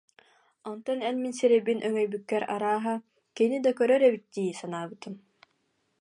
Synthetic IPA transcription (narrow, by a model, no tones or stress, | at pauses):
ɔnt̪ɔnɛnminsiɾɛbinʔœŋœjbykːɛɾa̰ɾaːɦa | kinid̪akœɾœɾɛbit̪̚d̪iːsanaːbɯt̪ɯm